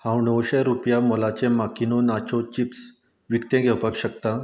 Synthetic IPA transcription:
hãwɳɔwɕɛɾupjamɔlat͡ɕẽmakinonat͡ɕɔt͡ɕips | ʋikt̪ẽɡʱɛwpakɕək̚t̪a

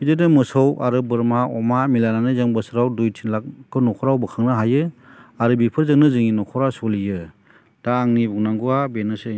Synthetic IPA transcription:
bidedɯmɯsɔwaɾɯbɯɾmaɔmamilananɯzɯŋbɯsɯɾawdujtʰinlak̚kːɯnɔkʰɔɾawbɯkʰɯŋnɯɦajɯaɾɯbipʰɯɾzɯŋnɯzɯŋinɔkʰɔɾasɔlijɯ | d̥aːŋnibuŋnaŋɡuabenɯse

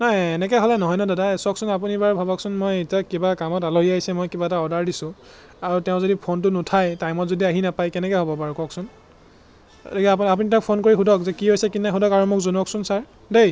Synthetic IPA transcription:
nɔjɛnɛk̬ɛɦɔlɛnɔɦɔjnɔdadasɔksʊnap̬unibaɹbʱabɔksunmojetijakibakamɔtaloɦiaɦisɛmojkibataɔdaɹdisʊ̃ | aɹutɛʊ̃zodipʰontʊnʊtʰajtajmɔtzodiaɦinapajkɛnɛkɛɦɔbɔpaɹukɔksʊn | otikɛapap̬unitɛɔ̃k̚pʰonkoɹiɦudɔkzɛkiɦojsɛkinaɦudɔkaɹɔmɔkzonuɔksʊnsaɹ | dej

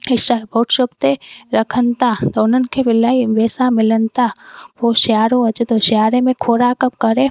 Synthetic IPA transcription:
ɪʃabʱoːʈʃəbt̪eɾəkʰənt̪aːt̪onənkʰeʋɪlaːiʋeːsamɪlənt̪aʋoʃaːɾoɐt͡ʃət̪oʃjaːɾemẽkʰoːɾakəp̚kəɾẽ

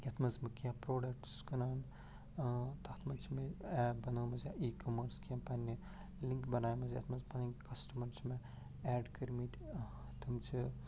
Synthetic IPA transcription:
jɐt̪ʰmɐzmɐkijãpɾoːɖɐk̚ʈskɐnaːn | t̪ɐt̪ʰmɐnt͡ʃʰmeɛːbɐnoːmɐzaʔiːkomɐɾskijãːpɐni | liŋkbɐnaːjmɐzʲjɐ̰t̪ʰmɐzpɐniŋkɐsʈɐmɐɾsmẽ | ɛːɖkɐɾmit̪ | t̪ʰɐmt͡ʃʰi

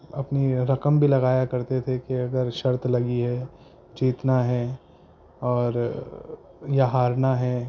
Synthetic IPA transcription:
ɐpniɾɐkəmbʱilɐɣaːjakɐɾt̪et̪ʰekeɐɡəɾʃɐɾt̪lɐɡiɦɛ | d͡ʒiːt̪naɦɛ | ɔːɾ | jaɦaːɾnaɦɛ

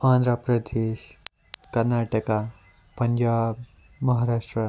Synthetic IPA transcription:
ãnd̪ɾapɾəd̪eʃ | kɐɾnaʈəka | pʌnd͡ʒab | mʌɦaɾaʂʈɾə

